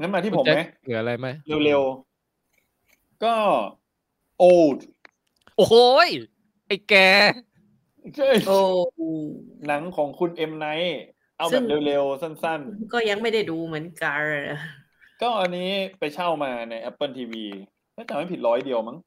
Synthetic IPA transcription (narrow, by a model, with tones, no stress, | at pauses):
ŋa˦˥nmaː˧t̪ʰi˥˩pʰa˧˦mɛ˦˥ɯː˩˦ʔa˧ɾa˧jma˦˥jle˧wle˧w | kɔː˥˩ | ʔoː˧˩wt̚ | ʔo˨˦j | ʔa˧˩jkɛː˧ | t͡ɕʰa˥˩jo˧ | na˨˩˦ŋkʰɔː˩˦ŋkʰu˧nʔe˧mna˦˥j | ʔa˧wbɛː˨˩p̚le˧wle˧wsa˥˩nsa˥˩nkɔː˥˩ja˧ŋma˥˩jda˥˩jduː˧mɯ˩˦ənka˧n˧˩ | kɔː˥˩ʔa˧nːiː˦˥pa˧jt͡ɕʰa˥˩wmaː˧na˧jʔɛ˦˥pːɤː˥˩nt̪ʰiː˧wiː˧ | nʰɛ˥˩t͡ɕaː˨˩ma˥˩pʰi˨˩ɾɔː˦˥jdi˧əwma˦˥ŋ